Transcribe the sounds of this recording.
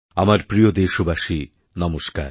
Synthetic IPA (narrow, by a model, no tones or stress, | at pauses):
amaɾpɾijod̪eʃobaʃi | nɔmoʃka̰ɾ